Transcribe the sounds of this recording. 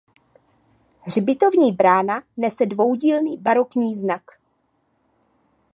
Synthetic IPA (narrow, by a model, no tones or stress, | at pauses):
rbɪt̪o̞vɲiːbɾaːnanɛsɛdvo̞wɟiːlniːbaɾo̞kɲiːznak